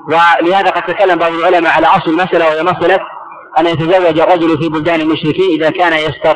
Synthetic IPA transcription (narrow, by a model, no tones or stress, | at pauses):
wɪlɪhaːðaqɑd̪̚t̪akalːambɑʕðˤɪlʕʊlamaʕalaʔɑsˤlɪlmasʔalawahɪjamasalat̪ | ʔanːajat̪azawːad͡ʒɑrˤːɑd͡ʒʊlfiːbʊld̪aːnalmʊʃɾɪkiːnʔɪðakaːnajast̪ɑ